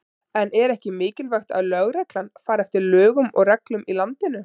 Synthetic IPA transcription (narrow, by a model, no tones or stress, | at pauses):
ɛnɛɾɛhcɪmɪːcɪlvaxt̪a̰ðlœɣɾɛklanfaːɾɛft̪ɪɾlœːɣʏmɔ̰ɣrɛklʏmilant̪ɪnʏ